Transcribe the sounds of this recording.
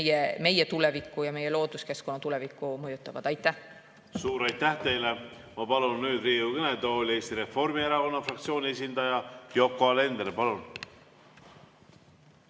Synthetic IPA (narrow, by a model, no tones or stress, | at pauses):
jeme̞jet̪ulɛvikˑːujɑme̞jːelo̞ːd̪uske̞sko̞nːɑt̪ulɛvikːˑumɤjut̪ːˑɑvɑd̪̥ɑjt̪ːæh | suːɾɑjt̪ːæht̪e̞jle | mɑpɑlunːyːd̪̥riːukened̪olʲe̞ːst̪iɾe̞fo̞rmieɾɑɡonːɑfrɑkt̪sio̞ːnʲie̞s̬ʲind̪̥ɑjɑjo̞kːˑole̞nd̪ɾpɑlun